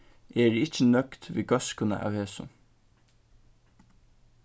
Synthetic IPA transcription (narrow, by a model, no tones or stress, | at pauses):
eɖiːɪt͡ʃːənœkt̪ʋḭːɡɑskʊnə̰ʔɑ̰wheːsʊ̰n